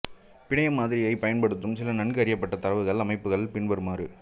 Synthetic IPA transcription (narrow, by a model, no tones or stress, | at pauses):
pɪɳɐjɐmːaːðɪɾɪjɐɪpɐjɐnpɐɽɯt̪ːɯmsɪlɐnɐɳɡɯɐɾɪjɐpːɐʈːɐt̪ɐɾɐʋɯɣɐɭɐmɐɪpːɯɣɐɭpɪɳʋɐɾɯmaːɾɯ